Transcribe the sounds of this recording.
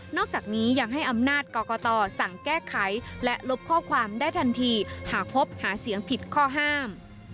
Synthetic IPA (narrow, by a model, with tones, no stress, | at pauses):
nɔː˥˩k̚t͡ɕaː˨˩k̚niː˦˥ja˧ŋɦa˥˩jʔa˧mnaː˥˩t̪̚kɔː˧kɔː˧t̪ɔː˧sa˨˩ŋkɛː˥˩kʰa˩˦jlɛ˦˥ʔlo˦˥p̚kʰɔː˥˩kʰwaː˧mdaː˥˩jt̪ʰa˧nt̪ʰiː˧haː˩˦˥pʰo˦˥p̚haː˩˦si˨˩˦əŋpʰi˨˩t̪̚kʰɔː˥˩ɦaː˥˩m